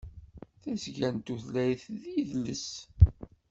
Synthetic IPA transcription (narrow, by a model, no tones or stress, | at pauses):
θæsʝænt̪uθlæjθðiðləs